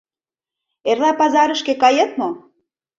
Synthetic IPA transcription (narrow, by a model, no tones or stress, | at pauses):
erlɑpɑzɑɾə̆ʃkĕkɑjɤt̪mo